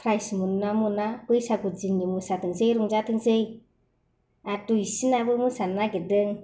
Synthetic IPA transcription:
pʰɾajsmunamunakɯjsaɡut̚zinːimusatɯŋzejɾuŋzatɯŋsej | atuisinabɯmusanaɡedɯŋ

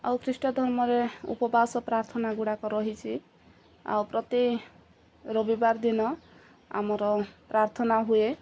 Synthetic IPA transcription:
a̰wkɾisʈɔd̪ʱɔɾmɔɾeṵpɔbasɔpɾaɾt̪ʰɔnaɡuɽakɔɾɔɦit͡ʃʰi | a̰wpɾɔt̪i | ɾobibaɾd̪inɔ | a̰mɔɾɔpɾaɾt̪ʰɔnaɦue

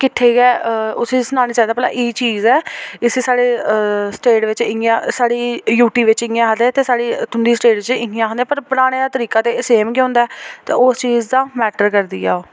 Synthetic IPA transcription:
kɪʈʰːeːɡɛːʊsĩːsənãːniːt͡ʃaːnd̪aːpɛla̰ːʔiːt͡ʃiːzɛːɪseːsaːɽeːsʈeːʈʋɪt͡ʃɪŋɡãːsaːɽiːjuːʈiːʋɪt͡ʃɪŋãːɦəd̪eːt̪eːsaːɽiːt̪ʰʊɳɖiːsʈeːɖɪt͡ʃɪŋɡijãɦənd̪ẽɛ̃ːpəɾpʊɾaːɽ̃eːat̪əɾiːkaːt̪eːseːmkːõːnd̪aɛːt̪ḛːoːst͡ʃiːzd̪ãːmɛːʈəɾkəɾd̪ḭːɛ̰ːoː

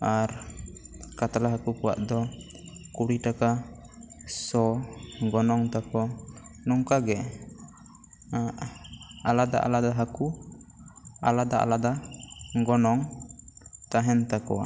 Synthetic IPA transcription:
aɾ | kat̪alaɦakukɔwa̰ʔd̪ɔ | kuɽiʈaka | sɔɡɔnɔŋt̪akɔnɔŋkaɡɛ | a | alad̪a̰ʔa̰lad̪aɦaku | a̰lad̪aʔa̰lad̪aɡɔnɔŋ | t̪aɦɛnt̪akɔwa̰ʔ

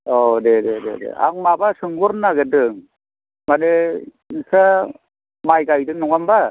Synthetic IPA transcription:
ɔdededḛdḛa̰ŋmabasɯŋbɯɾnaɡedɯŋ | mane | nisa | majɡajdɯŋnɔŋamba

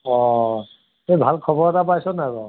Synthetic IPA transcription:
ɔ | ebʱalkʰɔbɔɹɛtap̬ajsɔnaɡɔ

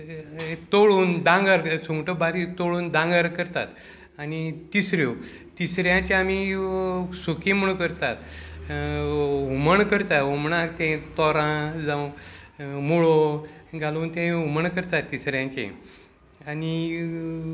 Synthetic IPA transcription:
t̪oɭuːnd̪ãŋɡaɾsuŋɡʈəbaɾit̪oɭuːnd̪ãŋɡaɾkəɾt̪a̰t̪ | anit̪isɾjo | t̪isɾjãt͡ɕẽami | sukẽm̤əɽukəɾt̪at̪ | uməɳkəɾt̪aɦumɳãkt̪ẽt̪ɔɾãd͡zãw̃ | muɭoɡalont̪ẽuməɳkəɾt̪at̪ːisɾjãt͡ɕḛ̃ | ani

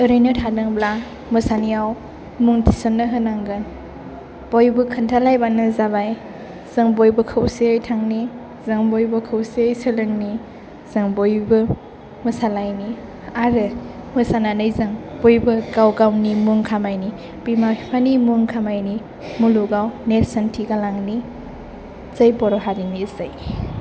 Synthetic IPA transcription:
ɯɾɯjnɯtʰadɯŋbla | mɯsanijaw | muŋtʰi̥sɔnːɯɦɯnaŋɡɯn | b̥ojbɯkʰɯntʰalajbanɯzaβaj | z̥ɯŋbojbɯkʰɯwsejtʰaŋni | zɯŋbojbɯkʰɯwsejsɯlɯŋni | z̥ɯŋbojbɯ | mɯsalajni | aɾɯmɯsananɯjzɯŋbojbɯɡawɡawnimuŋkʰamajni | bimahipʰanimuŋkʰamajni | muluɡawneɾsantʰiɡalaŋni | zəjbɔɾɔɦaɾinizaj

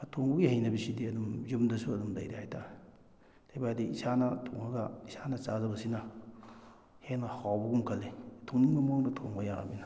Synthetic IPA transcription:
ɐtʰoŋbɐɡihɐjnɐbisidiɐdumzumdɐsuɐdumdɐjɾihajtʰa | dajbadiisanɐtʰoŋhaɡɐisanɐt͡ʃazɐbɐsinɐ | henɐhawbɐɡumkʰɐlːetʰoŋniŋbɐmoŋnɐtʰoŋbɐjaŋa̰binɐ

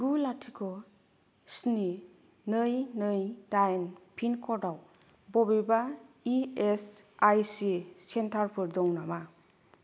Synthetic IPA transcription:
ɡulatʰikʰɔ | sni | nɯjnɯjdajnpʰinkʰɔɾdaw | bɔbeba | ies | ajsisentʰaɾpʰɯɾdɔŋnama

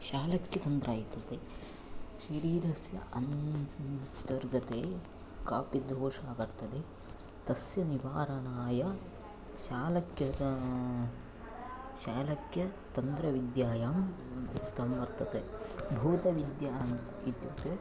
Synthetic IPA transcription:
ʃaːlɐkjɐt̪ɐnd̪ɾaːjit̪ːɐt̪e | ʃɐɾiːɾɐsjɐ̰ʔɐn | t͡ʃ̪ɐɾɡɐt̪eː | kaːpid̪ʱoːʂaːbɐɾt̪ɐd̪e | t̪ɐsjɐniʋaːɾɐɳaːjɐ | ʃaːlɐkjɐɐ | ʃaːlɐkjɐt̪ɐnd̪ɾɐʋid̪jaːjaːm | t̪ɐmʋɐɾt̪ɐt̪ebʱuːt̪ɐʋid̪jaːm | id̪jɐ̰t̪e

